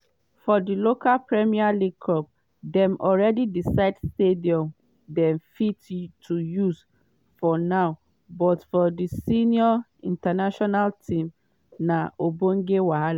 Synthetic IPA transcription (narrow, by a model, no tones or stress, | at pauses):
fɔdilokalpɹɛmialiɡkʰɔp̚ | dɛ̃mʔɔlɹɛdidisaɪdstediɔ̃m | dɛ̃mfittʰujus | fɔnaʊ | bɔtfɔdisiniɔ | ĩntanaʃɔnaltʰĩm | naobõŋɡewaɦala